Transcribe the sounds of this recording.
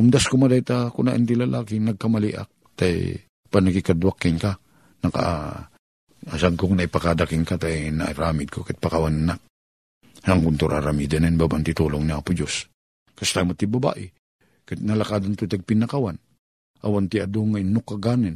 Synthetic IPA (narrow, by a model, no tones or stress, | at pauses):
ʊmd̪askomad̪ajt̪akʊnaʔɪnt̪ilɐlʔaːkɪnɐɡ̚kɐmɐliʔa̰k̚ | t̪a̰j | paɡ̚nɐkikad̪wakːɪnka | nɐka̰ʔ | saɡkoŋnɐipakad̪akɪŋkat̪ajna̰ʔaɾaːmɪd̪̚kʰokat̪̚pakawanɪnak̚ | saŋkʊnt̪uɾʔa̰ɾamid̪anɛnbabaʔnt̪ɪt̪uːloŋniʔaːpʊd͡ʒos | kast̪ajmat̪ːɪbɐba̰ːʔɪ | kat̪nɐlakaːd̪ant̪ojt̪aɡ̚pɪnɐkawan | ʔawant̪ɪɐd̪oŋaɪnːʊkːaɡaːnɪn